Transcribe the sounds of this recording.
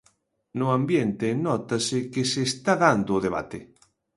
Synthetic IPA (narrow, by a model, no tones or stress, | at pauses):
nʊãmbjent̪ɪnɔt̪asɪkɪseːst̪aðand̪ʊːðeβ̞a̰t̪ɪ